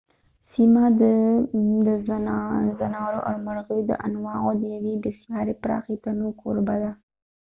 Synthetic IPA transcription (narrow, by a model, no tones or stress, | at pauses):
simad̪əd̪əzzanɑɾoʔa̰ɾmaɾɣəjod̪ə̰ʔa̰nwɑɣod̪əjawed̪əsjɑɾepɾɑ̰xet̪anokʰoɾbad̪a